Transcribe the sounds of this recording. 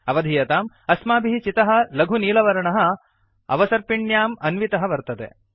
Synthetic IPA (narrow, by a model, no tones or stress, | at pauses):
ɐʋɐd̪ʱijɐt̪aːm | ɐsmaːbʱiɦit͡ʃit̪ɐɦɐ̆lɐɡʱuniːlɐʋɐɾɐɳɐɦɐ̆ | ɐ̰ʋɐsɐɾpiɳjaːmɐnʋit̪ɐɦɐʋɐɾt̪ɐt̪ḛ